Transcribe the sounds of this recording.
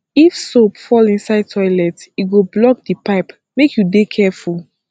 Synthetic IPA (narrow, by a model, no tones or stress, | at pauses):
ifsopfɔlĩnsaɪd̚tʰɔɪlɛtiɡoblɔk̚dipaɪp | mekjudekʰɛful